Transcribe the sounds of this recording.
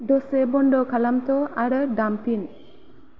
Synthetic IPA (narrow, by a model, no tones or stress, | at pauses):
dosebɔɳɖɔkʰalamt̪ɔaɾɖamt̪in